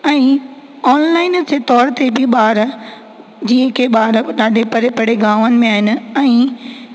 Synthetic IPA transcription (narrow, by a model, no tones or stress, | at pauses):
ɛ̃ː | ɔːnlaːɪnd͡ʑʰet̪ɔːɾt̪ebɪɓaːɾ | d͡ʑiːɦə̃kʰeɓaːɾɗaːɖʱepɐɾepɐɽ̤eɡaːʋənɪ̆mẽaːɦɪnɪ̆ɛ̃ː